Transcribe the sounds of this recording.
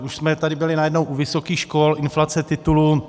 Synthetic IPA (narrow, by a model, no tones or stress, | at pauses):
uʃsmɛt̪adɪbɪlɪnajɛdnowʔuvɪsokiːxʃkolʔɪnflat͡sɛt̪ɪt̪ulu